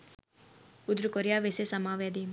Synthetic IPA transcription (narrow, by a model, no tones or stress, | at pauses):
ud̪ɾukoɾjaːʋesesɐmaːʋjad̪im